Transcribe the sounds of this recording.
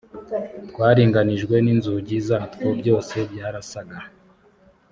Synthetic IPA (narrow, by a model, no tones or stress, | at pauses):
twaːɾiːŋɡaniʒɡwe̞ninzuɟizatkobɟo̞ːse̞bɟaːɾasaɡa